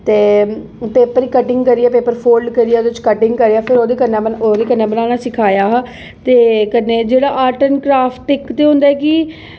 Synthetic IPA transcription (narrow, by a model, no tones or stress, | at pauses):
t̪eː | peːpəɾiːkəʈɪŋɡkəɾijaːpeːpəɾpʰoːlɖkəɾijaːd̪ɪt͡ʃkəʈɪŋɡkəɾeaːpʰɪɾoːd̪eːkənːaəoːd̪eːkənːeːbənaːnaːsɪkʰaːjaːɦ | t̪eːkənːeːd͡ʒeːɽaːʔaːʈənkɾaːpʰʈɪkt̪eːɦõnd̪aːɛːkɪ